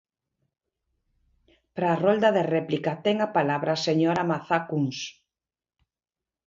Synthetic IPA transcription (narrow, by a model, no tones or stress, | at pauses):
pɾaːrold̪aðerɛplikat̪ɛŋapalaβɾaseɲoɾamaθakuŋs